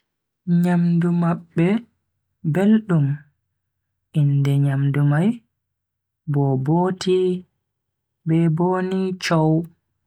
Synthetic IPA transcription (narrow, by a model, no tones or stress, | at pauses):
ɲamdumaɓːɛ | belɗum | indɛɲamdumaj | bɔboːtʰi | bɛbonit͡ʃow